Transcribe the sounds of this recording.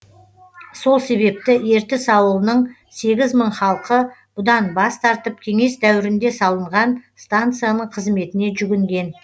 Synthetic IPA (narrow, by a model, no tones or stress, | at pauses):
so̞lˠse̞βe̞p̚t̪ɪe̞ɾt̪ɪsɑwəlˠənəɴ | se̞ɡʲɪzməɴχɑlˠqəb̥ʊd̪ɑnbɑst̪ɑɾt̪əp̚kʲʰe̞ŋe̞sd̪æwɪɾɪnd̪e̞sɑlˠəɴʁɑnst̪ant̪sɨjanəɴqʰəzme̞t̪ɪne̞ʒʏɡʲɪŋɡʲe̞n